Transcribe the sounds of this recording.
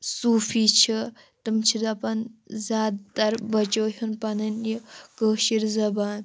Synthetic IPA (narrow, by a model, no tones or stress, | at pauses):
suːfit͡ʃʰi | t̪umt͡ʃʰid̪ɐpɐnzʲaːd̪t̪ɐɾbɐt͡ʃoːɦunpɐnɐnikəːʃiɾzɐbaːn